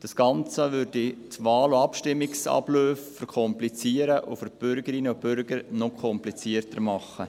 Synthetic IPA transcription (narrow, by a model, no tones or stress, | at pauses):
d̥ɑsɡ̥ɑnt͡səvʏɾditʋɑːlʊɑpʃtɪmːɪksɑ̰bløːfːəɾkʰɔmplit͡siːəɾəʔʊ̰fəɾb̥ʏɾɡəɾinəʊbʏɾɡ̥əɾnɔkʰɔmplit͡siəɾtəɾmɑχːə